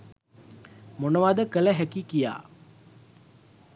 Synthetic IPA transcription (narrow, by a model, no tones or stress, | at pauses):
monəʋad̪əkələɦækikija̰ː